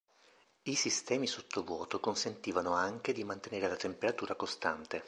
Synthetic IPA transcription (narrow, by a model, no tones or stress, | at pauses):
isist̪ɛːmisot̪ːovwɔːt̪okonsent̪iːvanoaŋk̟ed̪imant̪eneːɾelat̪empeɾat̪uːɾakost̪ant̪e